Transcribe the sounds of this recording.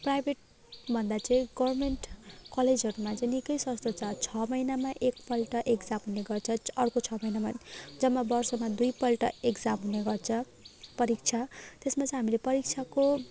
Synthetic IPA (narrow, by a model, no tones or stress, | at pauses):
prajbʱeʈ̚ | bʱʌnd̪at͡sʌ̃ĩɡʌwrmeɳʈkʌled͡zʱɦʌɾumat͡sʌ̃j̃nikʌjswʌst̪ʰot͡sʰʌt͡sʰʌmʌjnamaʔekpʌlʈʌʔekd͡zamɦuneɡʌrt͡sʰʌʌɽkot͡sʰʌmʌjnamad͡zʌmːabʌrsʌmad̪ujpʌlʈʌekd͡zamɦuneɡʌrt͡sʰʌ | pʌɾik̚t͡sʰat̪esmat͡sʌ̃ĩɦamilepʌɾik̚t͡sʰako